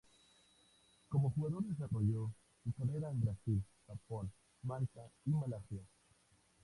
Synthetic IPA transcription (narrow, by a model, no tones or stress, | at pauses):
ko̞moxuɣaðo̞ɾðes̬aroʝo | sukareɾaembɾasil | xapon | maltaimalasja